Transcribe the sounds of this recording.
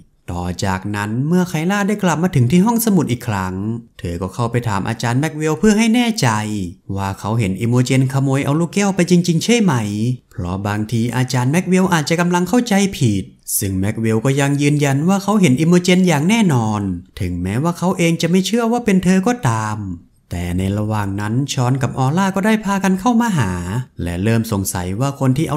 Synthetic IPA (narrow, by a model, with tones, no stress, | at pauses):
t̪ɔː˨˩t͡ɕa̰ː˨˩k̚na˦˥nmɯ˥˩ɐkʰa˧˩jlaː˥˩daː˥˩jkla˨˩p̚maː˧t̪ʰɯ˨˩˦ŋt̪ʰiː˥˩ɦɔ˥˩ŋsa˧mu˨˩t̪ʔiː˨˩kʰɾa˦˥ŋt̪ʰɤː˧kɔː˥˩kʰa˥˩wpa˧jt̪ʰa̰ː˩˦mʔa̰ː˧t͡ɕaː˧nmɛ˦˥k̚we˧wpʰɯ˥˩ɐɦa˥˩jnɛː˥˩t͡ɕa˧jwaː˧˩kʰa˦˥wɦe˩˦nʔiː˧moː˧t͡ɕe˧nkʰa˧moː˧jʔa̰˧wluː˥˩kɛː˥˩˨wpa˧jt͡ɕi˧ŋt͡ɕi˧ŋt͡ɕʰa˥˩˨jma˦˥jpʰɾɔ̰˦˥baː˧ŋt̪ʰiː˧ʔa̰ː˧t͡ɕaː˧nmɛ˦˥k̚we˧wʔaː˨˩t̪̚t͡ɕa˨˩ka˧mla˧ŋkʰa˥˩wt͡ɕa˧jpʰiː˨˩t̪̚sɯ˥˩ŋmɛ˦˥k̚we˧wkɔː˥˩ja˧ŋjɯː˧nja˧nwaː˥˩kʰa˦˥wɦe˨˩˦nʔi˧moː˧t͡ɕe˧njaː˨˩ŋnɛː˥˩nɔː˧nt̪ʰɯ˨˩˦ŋmɛː˦˥waː˥˩kʰa˦˥wʔeː˧ŋt͡ɕa˨˩ʔma˥˩jt͡ɕʰɯ˥˩əwaː˥˩pe˧nt̪ʰɤː˧kɔː˥˩t̪aː˧m | t̪ɛ̰ː˨˩na˧jɾa˧waː˨˩ŋna˦˥nt͡ɕʰɔː˦˥nka˨˩p̚ʔɔː˧laː˥˩kɔː˥˩daː˥˩jpʰaː˧ka˧nkʰa˥˩wmaː˧ɦaː˩˦lɛ̰˦˥ɾɤː˥˩mso˨˩ŋsa̰˨˩˦jwaː˥˩kʰo˧nt̪ʰiː˥˩ʔa˧